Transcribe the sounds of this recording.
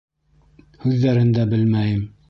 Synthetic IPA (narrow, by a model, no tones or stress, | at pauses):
hʉðːæɾɘnd̪æbɘlmæjɘm